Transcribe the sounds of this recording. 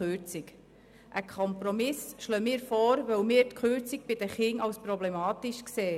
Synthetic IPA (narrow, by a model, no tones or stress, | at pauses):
øɾt͡sɪk | ʔəkʰχɔmpɾɔmɪsʃlœːmɪːɾfɔːɾʋœwmɪːɾt̪kχøːɾt͡sɪk̚b̥ɪd̥̪əχɪŋɑwspɾɔblɛmɑːt̪ɪʃkseː